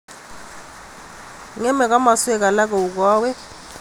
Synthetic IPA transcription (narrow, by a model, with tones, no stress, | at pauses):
ŋɛ˦mɛ˨k̬a˦ma˨swɛ˦k̬a˨la˦k̬ɛ˨u˨k̬waː˦wɛ˦